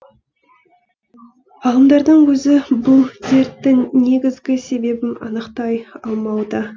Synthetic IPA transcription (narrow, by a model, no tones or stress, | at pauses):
ɑlˠəmd̪ɑɾd̪əɴwɵzɪbʊlˠze̞ɾt̪ːɪŋne̞ɡʲɪzɡʲɪse̞be̞bɪnɑ̰nəqt̪ɑjɑlˠmɑwd̪ə